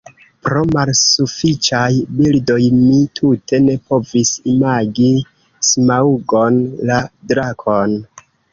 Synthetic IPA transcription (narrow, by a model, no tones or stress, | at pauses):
pɾo̞malsufit͡ʃajbildo̞jmitʰutʰe̞ne̞po̞visimaɡi | smauɡo̞nladɾakʰon